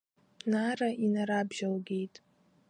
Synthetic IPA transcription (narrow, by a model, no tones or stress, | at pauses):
naraʔinaɾabʒalɡʲejtʼ